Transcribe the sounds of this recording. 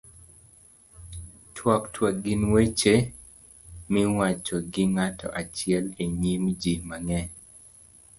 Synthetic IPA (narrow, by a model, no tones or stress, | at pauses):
tʰwɔktʰwaɡɪnwet͡ʃe | miwat͡ʃɔɡɪŋatʰɔ̰ʔat͡ʃɪɛleɲimd͡ʒimaŋɛ